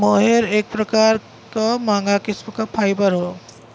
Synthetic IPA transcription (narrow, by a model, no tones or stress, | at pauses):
moːɦeɾeːk̚pɾɐkaːɾ | kamãːŋɡakɪsmkapʰaːɪbəɾɦoː